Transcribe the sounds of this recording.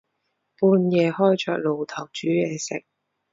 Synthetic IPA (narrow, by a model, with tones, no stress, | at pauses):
puː˧njɛː˨˧hɔː˥jt͡ʃœː˧k̚lo˨wt̪ʰɐ˨˩wt͡ʃyː˨˥jɛː˨˧sɪ˨k̚